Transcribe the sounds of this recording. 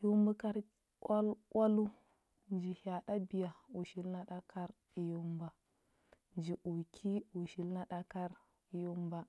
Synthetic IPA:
ju˦mbu˦ka˦ɾ | a˦la˦lu˦ | nd͡ʒi˨ha˨ɗa˦bi˨ja˨u˨ʃi˦lna˦ɗa˦kʰa˦ɾ | i˨ju˦mba˨ | nd͡ʒi˨ʔu˨kʰi˦u˨ʃi˨lna˦ɗa˦ka˦ɾ | i˨ju˦mba˨

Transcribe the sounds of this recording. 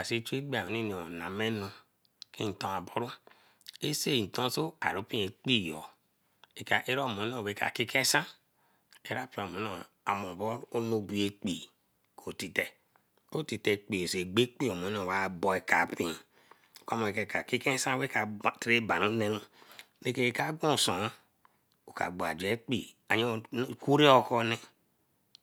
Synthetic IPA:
a˨se˦t͡ʃu˦e˦ɡ͡bi˦a˨o˨ni˦n˨o˨na˨me˦nu˦ | ke˦n̩˨tɔ˨a˨bo˦ɾu˦ | e˦se˦˨n̩˨tõ˦so˦a̰˨ɾo˨˦pĩ˦e˨k͡pi˦˨jɔ̰˨ | e˨ka˨ʔe˦ɾo˦˨mo˨˦o˦˨we˨˦ka̰˨ki˦ke˦sã˦ | e˦ɾa˦pi˦˨o˨mo˨˦o˨a˨mo˨bo˦ɾo˦no˦bu˨e˦k͡pi˨ | ko˨ti˨te˨ | o˦ti˨te˨k͡pi˨e˨se˨ɡ͡be˦k͡pi˦o˨m˨o˨˦o˨wa˨˦bo˨e˨ka˨pi˨˦˨ | o˨ka˦mo˨e˨ke˨ka˨ki˦ke˦sã˦we˦ka˨ti˦ɾe˦ba˨nu˦ne˦nu˦ | ne˦ke˦˨ka˦ɡõ˦˨so˨a˦ | o˨ka̰˨ɡ͡ba̰˨d͡ʒe˨˦k͡pḭ˨ | a˨ɲo˦ku˦ɾe˦o˦kɔ˦ne˦

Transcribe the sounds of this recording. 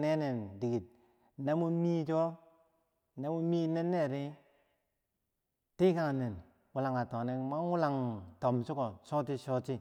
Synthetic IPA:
ne˦ne˨ndi˨ɡi˨t̚ | ne˦mu˦mi˦d͡ʒɔ˦ | ne˦mu˦mi˦ne˦nːe˦˨ɾi˦ | ti˦ka˦˨ŋ˨ne˨n | wu˦la˨ŋa˨tɔ˨ne˦ma˦ŋu˦la˨ŋtɔ˨msu˦kɔ˨sɔ˦ti˦sɔ˦t͡ʃi˦

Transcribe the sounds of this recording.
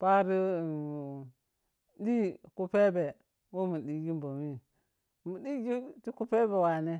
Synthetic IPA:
pa˦ɾi˦˨ | di˦ku˦pe˦be˨ | wo˦mu˨ɗi˨ɡi˦mbo˨mi˦ | mu˨di˦ɡi˦ti˦ku˦pe˦be˨wa˨ne˦

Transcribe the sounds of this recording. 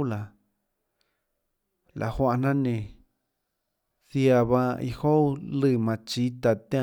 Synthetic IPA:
la˨ | lʔa̰˨hʷã˧˨˧nã˦nẽ˧˨ | θi˧a˧βã˧ḭ˧ho˦lɨ˦˧˨mã˧t͡ʃi˧˦t̪a˧t̪ẽ˦˧

